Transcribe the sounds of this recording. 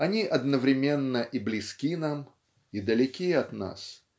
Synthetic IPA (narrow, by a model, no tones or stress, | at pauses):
ɐnʲiʔɐd̪nəvɾʲɪmʲe̞nːəʔiblʲɪskʲinam | id̪əlʲɪkʲiəɐt̪na̰s